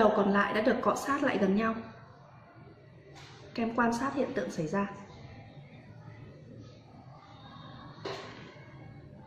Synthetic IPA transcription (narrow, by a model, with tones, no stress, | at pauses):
ə˨˩wkɔ˨˩nla̰ː˧˨jɗa̰ː˧˥ɗɨ˨˩əkːɔ̰˧˩saː˦˥t̚la̰ː˧˨jɣə˨˩nɲa˧w | kɛ˧mkwaː˧nsaː˦˥t̚hḭ˧˨ənt̪ɨ̰˧˨ŋsa˨˩˦jzaː˧